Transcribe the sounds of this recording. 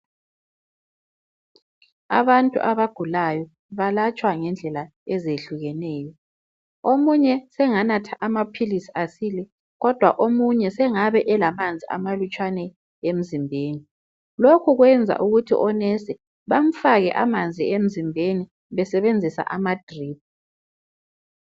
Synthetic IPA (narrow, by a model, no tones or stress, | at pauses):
a̰βantʼṵʔaβaɡ̥ʱulajɔ | βalat͡ʃʼwaŋɛnd͡ɮʱɛla | ɛzeɬuɣɛnɛːjɔ | omuɲɛsɛŋanatʰaʔamapʰilisi̥asiːlɛ | ɣɔd̥ʱwa̰ʔomuɲɛsɛŋaβɛʔɛlamand͡zʱiʔa̰malut͡ʃʼwanɛ | em̩zimbʱeːni | lokʰuɣwɛnd͡zʱa̰ʔuɣutʰḭʔɔnɛsɛ | βam̩faɣɛ̰ʔamand͡zʱiem̩zimbʱeni | βɛsɛβend͡zʱisa̰ʔamad̥ʱriːp̚